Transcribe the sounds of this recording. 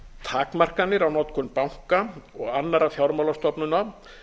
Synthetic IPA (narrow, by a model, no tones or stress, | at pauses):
t̪ʰaːkmar̥kanːɪɾawnɔt̪kʰʏnpawŋ̥kaɔɣanːaɾaθjawɾmawlast̪ɔpnʏna